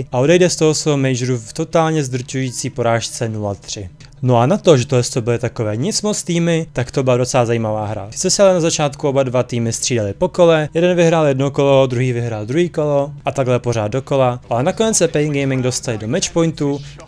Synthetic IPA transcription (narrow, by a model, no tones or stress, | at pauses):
ʔao̞dɛjdɛst̪oɦosvɛɦomɛjd͡ʒɾuft̪o̞t̪aːlɲɛzd̪r̩t͡ʃujiːt͡siːpo̞ɾaːʃt͡sɛnulat̪r̝̥ɪ | no̞anat̪oʒɛt̪oɛst̪obɪlɪt̪akovɛːɲɪt͡smot͡st̪iːmɪt̪akt̪obɪladot͡sɛlazajiːmavaːɦɾa̰sɛsɪalɛnazat͡ʃaːt̪kuo̞badvat̪iːmɪst̪r̥iːdalɪpo̞ko̞lɛjɛdɛnvɪɦɾaːljɛdnokolo̞d̪ɾuɦiːvɪɦɾaːld̪ɾuɦiːko̞loʔat̪aɡlɛpo̞ɾ̝aːd̪̚doko̞laʔalɛnakonɛt͡ssɛpɛɪŋɡɛjmɪŋɡdo̞st̪alɪdomɛt͡ʃpo̞jnt̪u